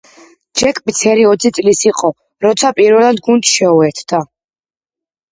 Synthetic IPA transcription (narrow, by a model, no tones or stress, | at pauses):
d͡ʒɛkʼbit̪sʰɛɾiɔt̪sʰit̪sʼlisiqʼɔ | ɾɔt̪sʰapʼiɾvɛlˠad̪ɡunt̪ʃɛuɛɾt̪ʰd̪̥a